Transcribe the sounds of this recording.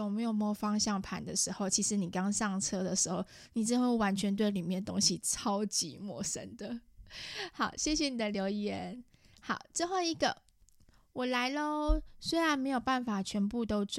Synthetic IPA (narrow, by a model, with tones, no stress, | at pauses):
o˨˩me˧˥ɪjo˨˩ʊm˧˥˨fɑ˥ŋɕjɑ˥˩ŋpʰa̰˧˥nd̪ə˨˩ʂɻ̩˧˥xo˥˩ʊt͡ɕʰi˧˥ʂɻ̩˧˥ni˨˩kɑ˥˦ŋʂɑ˥˩ŋt͡sʰɤ˥d̪ə˨ʂɻ̩˧˥xo˥˩ʊ | ni˨˩ʈ͡ʂə˥˧wə˥˩wa˧˥nt͡ɕʰɥɛ˧˥nt̪̬we˥˩ɪli˨˩mjɛ˥˩nt̪o̰˥ŋɕi˨t͡sʰɑ˥ʊt͡ɕḭ˧˥˦mwɔ̰˨˩ʂə̰˦nd̪ə˨ | xɑ˨˩˦ʊɕjɛ˥˧ɕ̬jɛ˨˩ni˨˩d̪ə˩ljo˧˥ʊjɛ˧˦n | xɑ˨˩˦ʊt͡swe˥˧xo˥˩ʊi˧˥ɡə˨ | wɔ˨˩la˧˥ɪlə˧swe˥ɪɻa˧˥nme˧˥ɪjo˨˩ʊpa˥˩nfa˨˩t͡ɕʰɥɛ˧˥npu˥˧t̪o˥ʊt͡s